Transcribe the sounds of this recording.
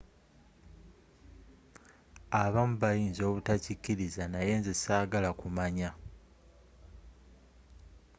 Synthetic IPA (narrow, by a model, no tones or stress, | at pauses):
aβamuβajiːnzo̞ːβutacicːiɾizanaje̞ːnzesaːɡalakumaɲa